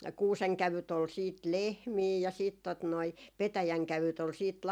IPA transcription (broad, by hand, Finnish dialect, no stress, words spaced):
kuːseŋkæʋyt ol siːt lehmiː jɑ siːt tot noi petæjæŋkæʋyt ol siːt